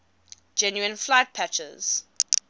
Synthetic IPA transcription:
d͡ʒɛ̃njuə̃nflaɪt̚pʰæt͡ʃə̰z̥

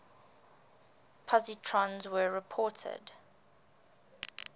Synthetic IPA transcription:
pʰɔzitʰɹɔ̃nzwəɹɪpʰɔːˑtʰə̰d

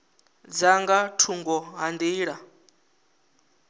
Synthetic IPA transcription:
d͡zaŋɡatʰuŋɡɔɦand̪iːɺa

